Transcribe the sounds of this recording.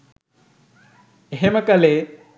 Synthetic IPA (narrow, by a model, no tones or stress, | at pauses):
ɦeməkɐle